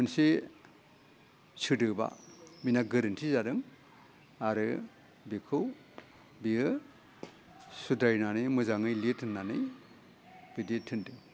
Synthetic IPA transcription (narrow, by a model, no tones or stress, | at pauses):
ɯnse | sɯdɯba̰minaɡɯɾɯntʰizaɾɯŋ | aɾɯ | bikʰɯw | biɯ | sudajnanɯjmɯzaŋɯjlitʰɯnːanɯj | b̥ijditʰɯndɯŋ